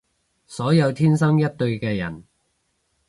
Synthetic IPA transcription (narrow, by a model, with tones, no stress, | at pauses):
sɔː˨˥jɐ˨˧wt̪ʰiː˥nsɐ˥ŋjɐ˥t̚t̪ɵ˧ɥkɛː˧jɐ̰˨˩n